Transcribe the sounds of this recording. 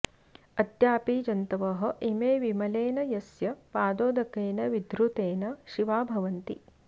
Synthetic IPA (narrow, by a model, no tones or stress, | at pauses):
ɐd̪jaːpiːd͡ʒɐnt̪ɐʋɐɦɐ̆ʔimeːʋimɐleːnɐjɐsjɐpaːd̪oːd̪ɐkeːnɐʋid̪ʱɾut̪eːnɐʃiʋaːbʱɐʋɐnt̪ḭ